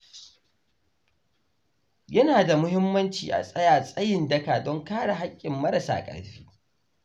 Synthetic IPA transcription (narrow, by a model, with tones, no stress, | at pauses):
jɐ˦naː˨da˨mʊ˦hɪ˦mːɐ˦nt͡ʃiː˨ʔa̰˨sʼɐ˦jaː˨sʼɐ˦jɪ˨ndɐ˦kaː˨dɔ˦ŋkaː˦ɽa˨ɦa˦kʲʼːɪ˨mːɐ˦ɾɐ˨sa̰ː˨kʼɐ̰˨ɽɸi̥ː˦